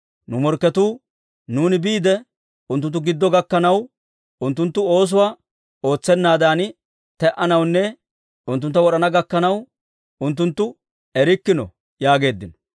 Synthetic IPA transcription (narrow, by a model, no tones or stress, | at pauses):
nʊmɔɾkːɛt̪uː | nuːnɪbiːd̪ɛ | ʊnt̪̬ʊnt̪ːʊɡɪd̪ːɔɡɐkːɐnɐw | ʊnt̪ːʊnt̪ːʊo̞ːs̬ʊwa | o̞ːt͡sːɛnːaːd̪aːn | t̪ɛʔɐnɐwnːɛ | ʊnt̪̬ːʊnt̪ːɐwɔɗɐnɐɡɐkːɐnɐw | ʊnt̪̬ːʊnt̪ːʊ | ɛɾɪkːɪnɔ̰ | jaːɡe̞ːd̪ːɪnɔ̥